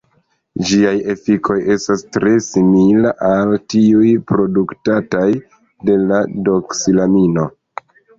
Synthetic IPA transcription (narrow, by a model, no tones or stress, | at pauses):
d͡ʒiaje̞fikʰo̞je̞stastɾe̞similaʔaltiujpɾo̞duktataj | de̞lado̞ksilamino̞